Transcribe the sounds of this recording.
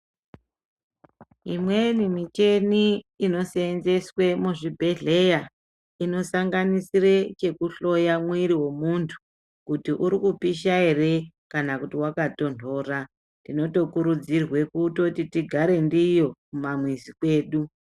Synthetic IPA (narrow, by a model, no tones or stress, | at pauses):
imwe̞nimit͡ʃe̞niːno̞seːnze̞swe̞muʐibʱe̞ɮe̞ja | ino̞saŋɡanisiret͡ʃe̞kuɬo̞jamwiɾiwe̞muntʰu̥ | kutiʔuɾikupiʃae̞re | kanakutiwakato̞nto̞ːra | ndino̞to̞kuɾud͡zirwe̞kuːtotitiɡʱaɾe̞ndijo̞kumamwizikwe̞ːɗu